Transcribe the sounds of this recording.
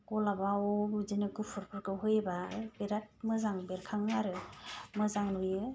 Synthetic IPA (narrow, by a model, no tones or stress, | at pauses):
kɔlabawɔzinɯɡupʰɯɾpʰɯɾkɯɦɯjbabeɾat̚mɯzaŋbeɾkʰaŋːaɾɯmɯzaŋnujɯ